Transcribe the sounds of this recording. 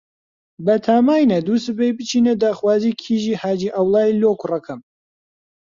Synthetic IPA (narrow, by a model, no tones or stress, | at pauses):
bɐt̪ʰamaːjnɐd̪uːsɨbejbɨt͡ʃʰiːned̪aːxwaːziːkʰiːʒiːhaːd͡ʒiːʔɐwlˠɑːiloːkurɐkʰɐm